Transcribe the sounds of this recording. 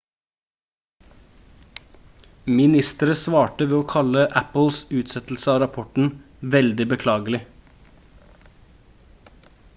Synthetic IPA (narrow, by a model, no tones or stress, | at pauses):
mɪnɪst̪əɾəsʋɑːʈəʋeːoːkʰɑləʔæpl̩sʉːt̪sɛt̪l̩səɑːɾɑpʰɔʈn̩ | ʋɛld̪ɪbəkʰlɑːɡəlɪ